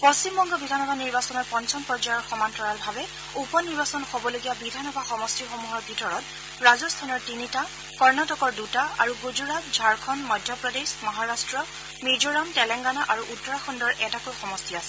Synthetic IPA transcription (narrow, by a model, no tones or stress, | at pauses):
pɔst͡ʃimbɔŋɡɔbidʱanɔbʱaniɹbasɔnɔɹpɔnsɔnpɹɔd͡ʒajɔɹxɔmantɔɹalbʱabɛ | upɔniɹbasɔnxobɔloɡijabidʱanɔbʱaxɔmɔstixomuɦɔɹbʱitɔɹɔt | ɹazɔstʰanɔɹtinita | kɔɹnatɔkɔɹdutaa̰ɹuɡuzuɹat̚zʱaɹkʰɔnmɔjdʱjapɹɔdesmɔɦaɹastɹɔ | mizoɹamtɛlɛŋɡanaʔaɹuʔutːɔɹaxɔndɔɹʔɛtakojxɔmɔstiasɛ